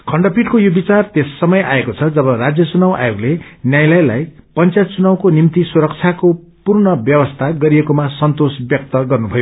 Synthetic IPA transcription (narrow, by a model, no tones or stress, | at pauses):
kʰʌɳɖʌpiʈkojobit͡sart̪esːʌmʌjʔa̰ekot͡sʰʌd͡zʌbʌrad͡zjʌt͡sunawa̰joɡlenjajlajlajpʌnt͡sajt̪̚t͡sunawkonimt̪isuɾʌk̚t͡sʰjako | purnʌbjʌbʌst̪ʰaɡʌɾiekomasʌnt̪osbjʌk̚t̪ʌɡʌrnubʱʌjo